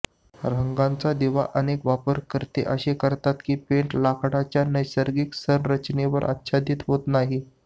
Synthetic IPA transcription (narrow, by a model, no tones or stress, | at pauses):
ɾəŋɡãnt͡sad̪iʋa̰ʔənekʋapəɾkəɾt̪ḛʔəɕekəɾt̪at̪kiːpeɳʈlakʰʈat͡ɕjanəjsəɾɡiksənɾət͡ɕneʋəɾʔə̰t̪ːɕʰad̪iːt̪ɦot̪naɦi